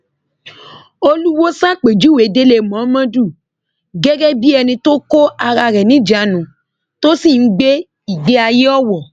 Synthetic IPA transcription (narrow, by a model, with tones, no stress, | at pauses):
o˧lu˦wo˦sã˦k͡pe˨d͡ʒu˨˦we˨˦de˦le˦˨mɔ̃˨˦mã˦du˦˨ | ɡɛ˦ɡɛ˦bi˦ɛ˧nĩ˧to˦ko˦a˧ɾa˧ɾɛ˨nĩ˨˦d͡ʒa˨˦nũ˨ | to˦si˦˨n̩˦ɡ͡be˦ | i˨ɡ͡be˦a˧je˦ɔ˦˨wɔ˨